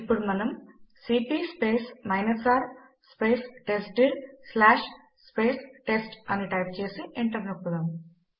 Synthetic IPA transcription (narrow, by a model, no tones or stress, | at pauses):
ipːuɽumɐnɐmsiːpiːspeːsmɐjnɐsaːɾ | spe̞ːsʈesʈiɽslaːʂ | spe̞ːsʈe̞sʈɐniʈɐjp̚t͡ʃe̞ːsiʔiɳʈɐɾnɐpːud̪aːm